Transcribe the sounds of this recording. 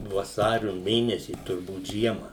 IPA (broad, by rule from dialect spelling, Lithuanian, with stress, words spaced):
ʋɐˈsɑːrʲʊ ˈmʲeːnʲɛsʲiː tʊrˈbuːt ˈʒʲiɛmɐ